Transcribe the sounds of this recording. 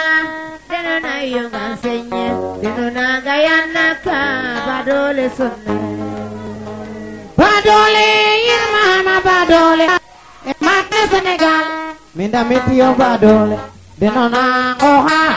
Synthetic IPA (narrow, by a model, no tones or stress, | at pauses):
denɔnaijoŋaseɲedenonaɡajanːakabadolesonːa | badolejɪnmahamabadole | emat̚neseneɡal | mindamitiobadole | denonaŋɔɦa